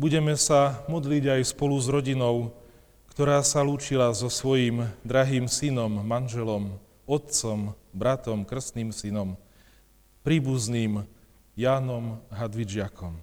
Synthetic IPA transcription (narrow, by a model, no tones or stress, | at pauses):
buɟɛmɛsamɔd̪liɟajspɔluzɾɔɟinɔʊ | kt̪ɔɾaːsaluːt͡ʃilazɔsʋɔjiːmd̪ɾaɦiːmsinɔmːanʒɛlɔm | ɔt̪̚t͡sɔmbɾat̪ɔmkr̩sniːmsinɔm | pɾiːbuzniːm | jaːnɔmɦad̪ʋid͡ʒɪakʰɔm